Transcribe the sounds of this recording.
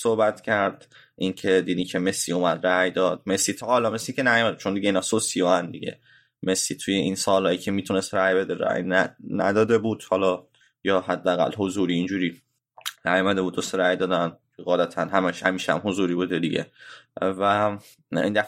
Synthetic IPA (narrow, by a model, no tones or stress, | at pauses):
sohbæt̪cʰæɾd̪̥ | ʔincʰe̞d̪iːd̪iːcʰeme̞slḭomæd̪ɾæjd̪ɒːd̪̥̚me̞sliːt̪ʰɒʔɒlɒːmesliːcʰenæjomæd̪et͡ʃʰond̪iɟeiːnɒːsosijoænd̪ḭɟḛ | me̞sliːt̪ʰujeinsɒːlɒːjicʲʰemiːt̪ʰune̞st̪ɾæjbe̞d̪eɾæ̰jnænæ̰d̪ɒːd̪e̞buːd̪̥hɒːlɒː | jɒːhæd̪ːeæɣæ̰lho̞zuːɾiːnd͡ʒuːɾiː | næjomæd̪ebuːd̪ːoseɾæjd̪ɒːd̪ænkʰeɣɒːlæt̪ʰænɦæmæʃhæmiːʃæ̰mɦozuːɾiːbuːd̪ed̪iɟḛvæ | ḭnd̪æf